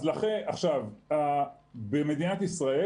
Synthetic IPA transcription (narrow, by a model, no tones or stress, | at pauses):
zlaχeʔaχʃavabeme̞d̪inat̪isʁae